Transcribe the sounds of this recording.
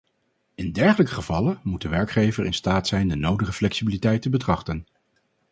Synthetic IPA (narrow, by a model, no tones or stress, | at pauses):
ɪndɛɹχələkəχəvɑlənmut̚dəʋɛɹkχejvəɹʔɪnstaːtsɛjndənowdəχəflɛksibilitɛjtəbətrɑχtən